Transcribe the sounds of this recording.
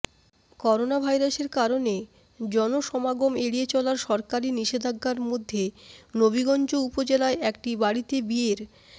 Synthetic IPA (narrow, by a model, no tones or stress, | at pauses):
kɔɾonabʱajɾaʃeɾkaɾone | d͡ʑɔnoʃɔmaɡomeɽiet͡ɕɔlaɾʃɔɾkaɾiniʃed̪ʱaɡːaɾmod̪ʱːenobiɡɔnd͡ʑoupod͡ʑelaeʔɛk̚ʈibaɽit̪ebieɾ